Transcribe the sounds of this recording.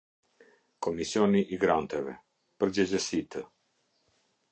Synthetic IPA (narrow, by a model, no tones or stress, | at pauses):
kɔmisjɔniʔːɡɾant̪ɛvɛ̰ | pəɾd͡ʑɛd͡ʑəsit̪ə